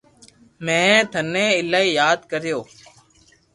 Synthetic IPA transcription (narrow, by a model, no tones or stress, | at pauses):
mẽːt̪ʰənẽːɪlaːiːjaːd̪kəɾɪjoː